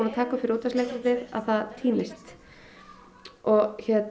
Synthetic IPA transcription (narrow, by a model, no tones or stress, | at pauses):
naðt̪ʰaːkafɪɾuːt̪asleːk̪ɾtɪða̰ðθaðt̪ʰiːmɪst̪ | ɔɣçɛt̪